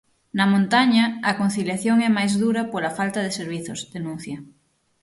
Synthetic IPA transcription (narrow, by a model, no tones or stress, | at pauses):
namõnt̪aɲaːkon̟θiljaθjoŋɛmajzðuɾapolafalt̪að̞eseɾβ̞iθozðenũn̟θja